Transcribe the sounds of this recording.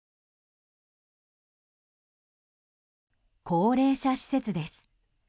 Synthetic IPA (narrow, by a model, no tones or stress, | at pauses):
kʰo̞ːɾe̞ːɕaɕi̥se̞t͡sɨd̪e̞sɨ̥